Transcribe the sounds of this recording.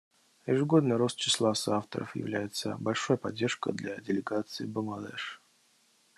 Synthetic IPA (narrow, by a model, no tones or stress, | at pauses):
jɪʐɨɡo̞d̪nɨjɾo̞st̪̚t͡ɕːɪ̥slˠasaft̪ə̰ɾə̰fjɪ̰vlʲæjɪt̪sə̰bɐlʲʂojəpɐdʲːe̞rʂkə̰d̪lʲadʲɪlʲɪɡat̪sɨɪbəmad̪ɛ̰ʂ